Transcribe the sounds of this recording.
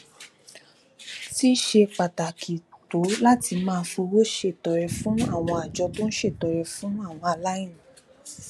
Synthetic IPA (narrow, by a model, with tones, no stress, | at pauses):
ti˦ʃe˧k͡pa˨ta˨kʰi˨to˨˦la˦ti˧mãː˦˧fũ˧wo˦ʃe˦˨tɔ˨ɾɛ˧fũ˨˦a˦˨w̃ɔ̃˧a˨d͡ʒɔ˧to˦n̩˦ʃe˦˨tɔ˨ɾɛ˧fũ˦a˦˨w̃ɔ̃˧a˨la˦ĩ˦˨ũ˨˦